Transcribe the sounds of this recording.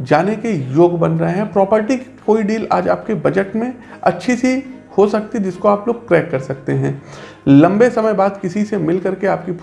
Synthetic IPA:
d͡ʒaːnekejoːɡbɐnɾɐɦeɦɛ̃pɾɔːpəɾʈikkoːiɖiːla̰ːd͡ʒa̰ːp̚kebɐd͡ʒəʈmẽ | ɐ̰tːʃʰisi | hosɐk̚t̪id͡ʒɪskoaːploːɡ̚pɾɛːkːɐɾsɐk̚t̪eɦɛ̃ː | lɐ̃mbesɐməjbaːd̪kɪsisemɪlkɐɾkeaːp̚kip

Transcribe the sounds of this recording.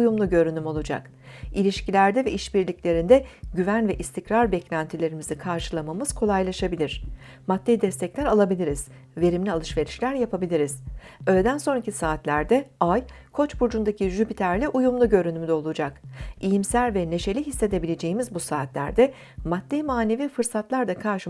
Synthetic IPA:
ujumlˠuɟø̞ɾynymo̞lˠud͡ʒa̰k | ilʲiʃcilʲæɾd̪ɛvɛiʃbiɾlʲiclʲe̞ɾind̪ɛɟyvænvɛʔist̪ʰicɾaɾbɛclʲænt̪ʰilʲe̞ɾimizikʰaɾʃɯlˠamamɯz̥kʰo̞lˠajlˠaʃabilʲiɾ̥ | mat̪ːejd̪ɛst̪ʰɛclʲæɾalˠabilʲiɾiz̥ | ve̞ɾimlʲialˠɯʃve̞ɾiʃlʲæɾjapʰabilʲiɾiz̥ølʲed̪ænso̞nɾacisaːt̪lʲæɾd̪ɛajkʰo̞t͡ʃbuɾd͡ʒund̪acʰiʒybit̪ʰæɾlʲɛʔujumlˠuɟø̞ɾynymd̪ɛo̞lˠud͡ʒakijimsælʲvɛne̞ʃe̞lʲiɦisːe̞d̪e̞bilʲe̞d͡ʒe̞jimizbusaːt̪lʲæ̰ɾd̪ɛ | mat̪̚ːemaːne̞vifɯɾsat̪lˠaɾd̪akʰaɾʃɯ

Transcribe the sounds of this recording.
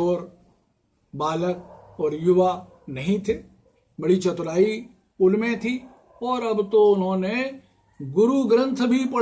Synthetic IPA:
oːɾ | baːlək̚ɔːɾjʊʋa | nɐɦĩt̪ʰeː | bɐɽit͡ʃət̪ʊɾaːi | ʊlmẽt̪ʰi | ɔːɾɐbt̪oʊnɦõːne | ɡʊɾuɡɾə̃nt̪ʰbʱipɐɽ

